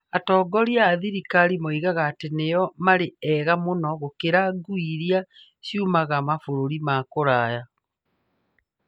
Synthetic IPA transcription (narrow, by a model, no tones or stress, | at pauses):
atɔːɡɔɾiaːðiɾikaɾimɔiɣaɣaːtenejɔmaɾeɛɣamonɔɣokeɾaɡuiɾia | sjumaɣamafoɾoɾimakoɾaja